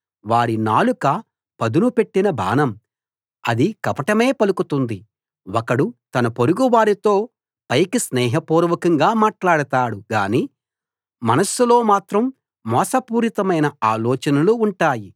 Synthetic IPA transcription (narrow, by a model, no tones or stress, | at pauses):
ʋaːɽinaːlukɐ | pɐd̪unupe̞ʈːinɐbʱa̰ːnɐm | ɐ̰d̪ikɐpɐʈɐme̞ːpɐlukut̪und̪i | wɔkɐɽut̪ɐnɐpoɾuɡuʋaːɾit̪o̞ː | pɐjkisnɛːɦɐpuːɾuʋɐkɐŋɡaːmaːʈlaːɽɐt̪aːɽuɡaːniː | mɐnɐsulo̞ːmaːt̪ɾɐmː | ɔːsɐpuːɾit̪ɐmɐjnɐaːlɔːt͡ʃɐnɐluːɳʈaːji